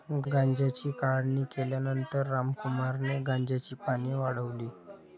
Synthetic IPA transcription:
ɡãɲd͡ʑat͡ɕiːkaɽniːkeljanənt̪əɾːamkumaɾneɡãɲd͡ʑat͡ɕiːpaɽ̃iːʋaɽəʋliː

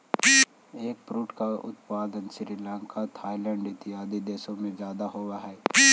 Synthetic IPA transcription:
eːk̚pɾuːʈkaʊ̰t̪paːd̪ənsɪɾilãːŋkat̪ʰaːilɛ̃ɳɖɪt̪ɪɦaːd̪id̪eːsõmẽzjaːd̪aɦoːwaɦɛː

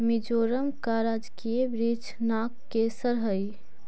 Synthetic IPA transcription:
mid͡ʒoːɾəmkaːɾaːd͡ʒkiebɾid͡ʒ | naːkːeːsəɾɦəj

